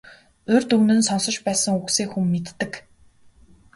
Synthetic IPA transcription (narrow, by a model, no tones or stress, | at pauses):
ɵrt̪ɵwnɘ̆nsɔnsɞ̆t͡ɕpæːsə̆ŋukseːkxumːet̪ːɘ̆k